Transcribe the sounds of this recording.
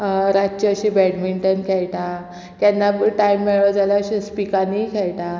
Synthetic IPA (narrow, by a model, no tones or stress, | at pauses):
ɾat͡ɕəəɕẽbɛɽmiɳʈənkʰɛɭʈa | t̪janːaʈajmːɛɭad͡zaljaəɕespikanikʰɛɭʈa